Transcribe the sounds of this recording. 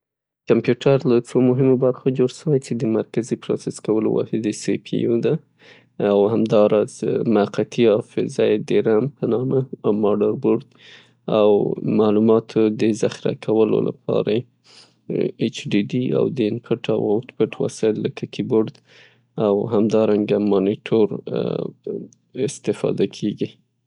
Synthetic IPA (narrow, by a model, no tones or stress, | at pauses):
kampjuʈʰaɾlat͡somʊɦɪmobaɾxod͡ʒoɽʃəwajt͡ʃed̪əmaɾkazipɾɑ̰seskawəlo̰wɑ̰hɪd̪esepʰḭjod̪aː | whamd̪ɑɾɑzmaaqat̪iɑfɪzajd̪əɾampənɑməmɑɖaɾboɾd̪ | awmalumɑt̪ʰod̪əzaxɪɾa̰kʰawəlo̰lʔa̰pʰɑ̰ɾa | et͡ʃɖiɖia̰wd̪əɪnpʰɪʈʰawat̪pɪʈwa̰sɑlləkʰakʰiboɾd̪ | awɦamd̪ɑɾaŋɡamɑniʈʰoɾ | ɪst̪ɪfɑ̰d̪akʰeɡi